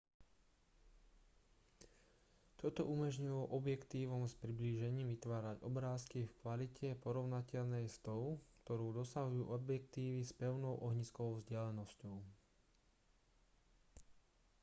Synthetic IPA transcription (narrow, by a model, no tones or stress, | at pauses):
t̪ɔt̪ɔ̰ʔumɔʒɲujɔʔɔbjɛkt̪iːʋɔmspɾibliːʒɛɲiːmʋit̪ʋaːɾaɟɔbɾaːskifkʋalicʰɛpɔɾɔʊnacɛʎnɛjst̪ɔʊkt̪ɔɾuːd̪ɔsaɦujuːʔɔbjɛkt̪iːʋispɛʊnɔʊʔɔɦɲiskɔɔʊvzɟɪalɛnɔscɔʊ